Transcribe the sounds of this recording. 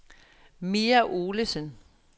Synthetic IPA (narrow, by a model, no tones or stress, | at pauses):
miːæʔo̝ːləsən